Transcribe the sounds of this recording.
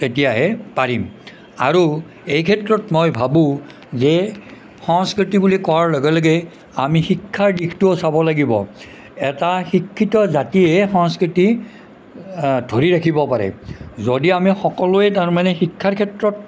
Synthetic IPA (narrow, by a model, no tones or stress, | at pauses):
tetijaɦɛpaɹim | a̰ɹu | ejkʰɛtɹɔtmɔjbʱabʊ̃ | zɛ | xɔŋskɹitibulikɔɹaɹlɔɡɛlɔɡɛ | amixikʰːaɹdikʰtʊsabɔlaɡibɔ̰ | ɛtaxikʰːitɔzatiɛxɔ̃ŋskɹiti | dʱoɹiɹakʰibɔpaɹɛ̰zodiamixɔkɔlʊɛtaɹmanɛxikʰːaɹkʰɛtɹɔt̚